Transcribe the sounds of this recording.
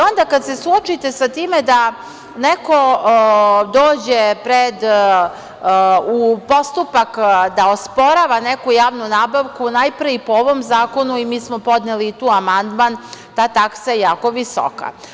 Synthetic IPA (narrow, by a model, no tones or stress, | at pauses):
o̞nd̪akad̪sesuot͡ʃit̪e̞sat̪iːmed̪a | neko | d̪oːd͡ʑepɾed̪ | upo̞st̪upakd̪aospo̞ɾaʋanekujaːʋnunaːbaʋkunajpɾeipooʋomzaːko̞nuimiːsmopo̞d̪neliːt̪uːamand̪mant̪aːt̪aksajejaːko̞ʋiso̰ka̰